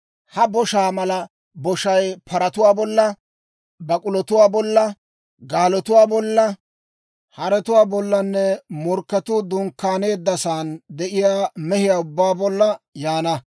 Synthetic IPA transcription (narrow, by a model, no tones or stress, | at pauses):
hɐbɔʃaːmɐlɐ | bɔʃɐjpʰɐɾɐt̪ʊwaːbɔlːɐ | bɐkʼʊlɔt̪ʊwaːbɔlːɐ | ɡaːlɔt̪ʊwaːbɔlːɐ | hɐɾɛt̪ʊwaːbɔlːɐnːɛmɔɾkːɐt̪ʊd̪ʊŋkːaːne̞ːd̪ːɐsaːnd̪ɛʔɪjaːmɛhɪjaːʊbːaːbɔlːɐjaːnɐ